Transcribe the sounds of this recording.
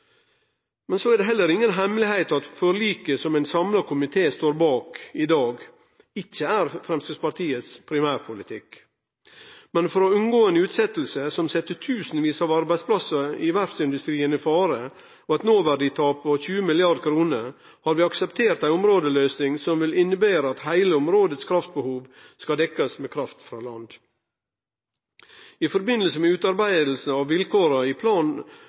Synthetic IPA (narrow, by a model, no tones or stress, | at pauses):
mɛnsoæɾɖ̪ɛɦɛlːəɾɪŋːənɦɛmlɪhæɪt̪ɑt̪fɔɾliːkəsɔmæɪnsɑmlɑkʰʊmɪt̪ʰeːst̪oːɾbɑːkɪd̪ɑːɡ | ɪc͡çːəæɾfɾɛmst̪əspɑɾʈ̪ʰiːət̪spʰɾɪmæːɾpʰʊlɪt̪ʰɪk | mɛnfɔɾɔʉnɡoːənʉːt̪sɛt̪lsəsɔmsɛt̪ːət̪ʰʉːsn̩ʋiːsɑːʋɑɾbæɪspʰlɑsəɪʋæɾfsɪnd̪ʉst̪ɾiːənɪfɑːɾə | ɔɑt̪noːʋæɖɪt̪ʰɑːpʰoçʉːəmɪlɪɑɾd̪kʰɾuːnəɾ | hɑɾʋiːɑksɛpt̪ʰeːɾt̪æɪʊmɾoːd̪əløːsnɪŋsɔmʋɪlɪnəbeːɾəɑt̪hæɪləʊmɾoːd̪ət̪skʰɾɑft̪̚bəhuːʋ | skɑd̪ɛkːɑsmeːkʰɾɑft̪fɾɑ̰ːlɑ̰nd̪ | ifɔɾbɪnːəlsəmɛʉːt̪ɑɾbæɪd̪l̩s̩ɑʋʋɪlkʰoːɾəɪpʰlɑːn